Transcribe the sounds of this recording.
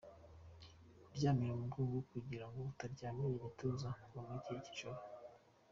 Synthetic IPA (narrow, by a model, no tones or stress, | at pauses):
bɟaːmiɾemuɡuːŋɡuukwiɟiɾaŋɡoutaɾɟaːmiɾeβituzaɡumiciici̥ʃoɾo